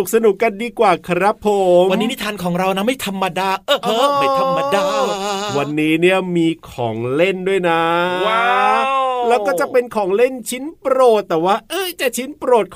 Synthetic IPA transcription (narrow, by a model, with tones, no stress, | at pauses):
u˨˩k̚sa˧nu˨˩kːa˧ndiː˧kwaː˨˩kʰa˧ɾa˦˥pʰoː˧mwnːi˦ni˦˥t̪ʰaː˧nkʰɔː˩˦ŋɾa˧wna˦˥ma˥˩jt̪ʰa˧mːa˧daː˧˩ʔɤ˧˩˧ma˥˩jt̪ʰa˧mːa˧daː˧wa˧nːiː˦˥ni˥˩ɐmiː˧kʰɔː˩˦ŋle˥˩ndu˥˩əjna˦˥wa˦ | lɛː˦˥wkɔː˥˩t͡ɕa˨˩pe˧nkʰɔː˩˦ŋle˥˩nt͡ɕʰi˦˥npɾoː˨˩t̪̚ːɛː˨˩waː˥˩ʔɤː˧˩t͡ɕa˨˩t͡ɕʰi˦˥npɾoː˨˩t̪̚kʰ